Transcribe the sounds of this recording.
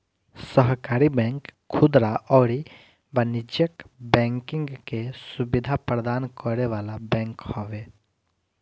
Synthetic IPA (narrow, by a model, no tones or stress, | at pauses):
səɦkaːɾibɛ̃ŋkʰː | ʊd̪ɾaʔɔːɾi | bənɪd͡ʒjəkbɛ̃ŋkɪ̃ŋɡkesubɪd̪ʱapɾəd̪aːnkɔɾeʋaːlabɛ̃ːŋkhɔʋe